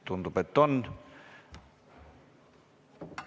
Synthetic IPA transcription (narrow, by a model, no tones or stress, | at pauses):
t̪unt̪upet̪ːon